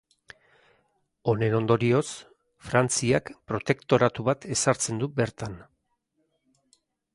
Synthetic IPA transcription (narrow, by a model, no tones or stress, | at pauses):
o̞ne̞no̞nd̪o̞ɾio̞s | fɾant͡siakpɾo̞t̪e̞kt̪o̞ɾat̪uβat̪e̞saɾt͡se̞nd̪ube̞ɾt̪an